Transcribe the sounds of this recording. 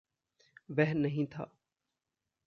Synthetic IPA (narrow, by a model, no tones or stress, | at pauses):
bɛɦnːəɦĩːt̪ʰa̰ː